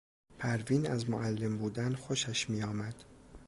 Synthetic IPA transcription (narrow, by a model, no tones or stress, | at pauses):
pʰæɾviːnæzmoʔælːe̞mbuːd̪ænxoʃæʃmiːjɒːmæd̪̥